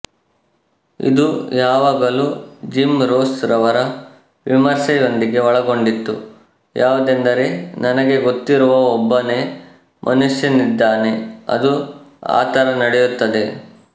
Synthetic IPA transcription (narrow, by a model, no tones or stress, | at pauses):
ḭd̪ujaːʋaːɡɐlud͡ʒimɾoːsɾɐʋɐɾɐ | ʋimɐɾsɐjo̞nd̪iɡe̞ɔɭɐɡo̞ɳɖit̪ːu | jaːʋud̪end̪ɐɾenɐnɐɡe̞ɡot̪ːiɾuʋɐɔbːɐne | mʔɐnuʂjɐnid̪ːaːne̞ɐ̰d̪ua̰ːt̪ɐɾɐnɐɽejut̪ːɐd̪e̞